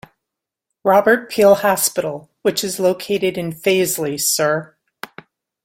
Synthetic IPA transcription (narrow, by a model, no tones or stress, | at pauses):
ɹɑbə˞t̚pʰilˠhɑspɪɾl̩ˠ | wɨt͡ʃɨzloʊkʰeɪɾɨɾɨ̃nfeɪzlisɜ˞